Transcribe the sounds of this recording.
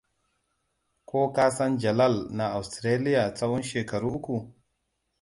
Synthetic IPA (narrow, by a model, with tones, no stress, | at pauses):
kʰoː˦ka˦sa˦nd͡ʒa˨la˦˨lna˨a˨wstɾe˦li˦ja˨t͡sa˦wɔ˦nʃeː˨ka˨ɾu˦ʔu˦ku˨